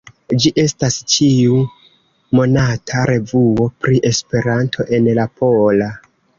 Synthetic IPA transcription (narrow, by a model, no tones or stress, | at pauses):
d͡ʒiʔe̞stast͡ʃiu | mo̞natʰaɾe̞vuo̞pɾiʔe̞spe̞ɾantʰo̞ʔe̞nlapʰo̞la